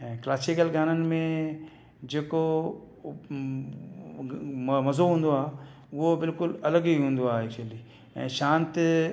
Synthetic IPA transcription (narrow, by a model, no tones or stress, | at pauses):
ɛ̃ːklaːsikəlɡʱaːnənɪ̆mẽ | d͡ʑeːko | mmɐzoɦũːnd̪oaː | ʊɦobɪlkʊlɐləɡiɦũːnd̪oaːeːkt͡ʃəliː | ɛ̰̃ːʃãːnt̪